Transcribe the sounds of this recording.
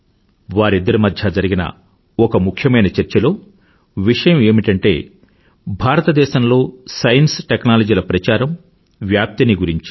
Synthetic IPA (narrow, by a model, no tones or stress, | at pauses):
ʋaːɾid̪ːɐɾumɐd̪ʱjɐd͡ʒɐɾiɡinɐ̰ | ɔkɐmukʰjɐmɐjnɐt͡ʃɐɾt͡ʃɐlo̞ː | ʋiʂɐjɐme̞ːmiʈɐɳʈe̞̰ː | bʱaːɾɐt̪ɐd̪ɛːʃɐmlo̞ːsɐjɐnsʈeknaːlɐd͡ʒiːlɐpɾɐt͡ʃaːɾɐm | ʋjaːp̚t̪iniɡuɾiɲt͡ʃi̥